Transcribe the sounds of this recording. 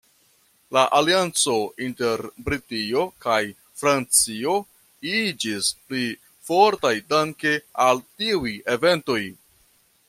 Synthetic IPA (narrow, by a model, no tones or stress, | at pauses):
laʔaliant͡so̞inte̞ɾbɾitio̞kaj | fɾant͡sio̞ | id͡ʒispli | fo̞ɾtajdaŋkealtiuje̞ve̞nto̞j